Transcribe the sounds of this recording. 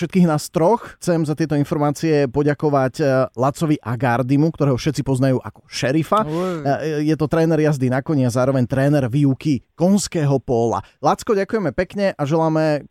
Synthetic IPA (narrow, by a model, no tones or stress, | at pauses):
ʃɛt̪kiːɣnast̪ɾɔxxt͡sɛmzat̪ɪɛt̪ɔinfɔɾmaːt͡siɛpɔɟakɔʋaclat͡sɔʋiʔaɡaɾd̪imukt̪ɔɾɛːɦɔfʃɛt̪t͡sipɔznajuːʔakɔ̥ʃɛɾifa | jɛt̪ɔt̪ɾɛːnɛɾjazd̪inakɔɲiazaːɾɔʋɛɲt̪ɾɛːnɛɾʋiːukikɔnskɛːɦɔpɔla̰lat͡skɔɟakujɛmɛpɛkɲɛʔaʒɛlaːmɛ